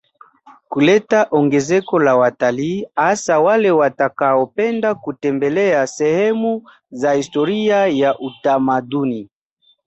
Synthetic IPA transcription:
kulɛtaʔɔŋɡɛzɛkɔlawataliːasawalɛwatakaɔpɛndakutɛmbɛlɛasɛhɛmu | zahistɔɾiajaʔutamaduni

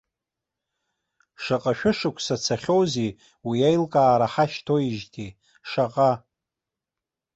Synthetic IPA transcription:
ʂaqʼaʃᶣʊʂɨkʷʰsat͡sʰaχʲowzi | wiajlkʼaːɾaħaʃtʰo̞iʒtʰi | ʂaqʼa

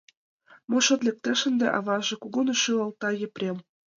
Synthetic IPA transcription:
mŏʃɤ̆t̪lʲek̚t̪ĕʃə̆nd̪ḛʔɑβɑʒĕkuɣunŏʃylɤ̆lˠt̪ɑjĕprʲem

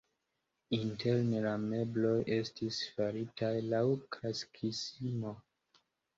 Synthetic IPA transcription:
inteɾnelame̞blo̞jʔe̞stisfaɾitʰajlawkʰɾaskʰisimo̞

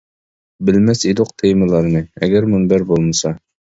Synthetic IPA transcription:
bɘ̆lmæsid̪uq̚t̪ʰejmɤ̆lˠɑɾnɤæ̰ɡæɾmɵnbæɾbolˠmɑ̆sɑ

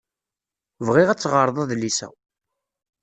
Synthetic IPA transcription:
vʁiʁæt͡sːʁəɾˤðˤɑðlisæ̰w

